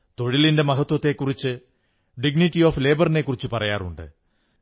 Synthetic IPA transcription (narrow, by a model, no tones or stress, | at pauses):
t̪o̞ɻilinde̞mɐɦɐt̪wɐt̪ːe̞kːurit͡ɕːɨ | ɖiɡnitːioːfle̞ːbɐrine̞kːurit͡ɕːupɐrɐjaːrṵɳɖɨ̰